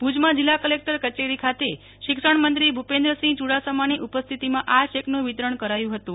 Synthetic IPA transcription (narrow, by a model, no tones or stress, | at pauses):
pud͡ʒmãd͡ʒɪlːakəlek̚ʈəɾkət͡ʃeɾikʰat̪e | ʃɪkʃəɳmənt̪ɾibʱupẽnd̪ɾəsĩt͡ʃuɽasəmaniʔupəst̪ʰit̪imãʔaʃeknũʋit̪ɾəɳ̃kəɾajũɦət̪ũ